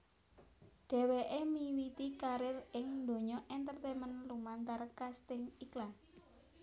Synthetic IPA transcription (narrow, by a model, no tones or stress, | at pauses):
ɖ̥ɛ̤weʔemiwit̪ikaɾɪrɪŋnd̪o̤ɲɔʔɛnt̪ərt̪ɛmənlumant̪arkast̪ɪŋiklan